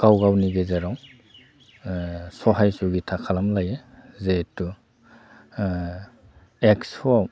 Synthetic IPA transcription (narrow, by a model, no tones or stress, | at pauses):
ɡ̥awɡawniɡezaɾaw | sɔɦajsuɡitʰakʰalamlajezetu | eksɔaw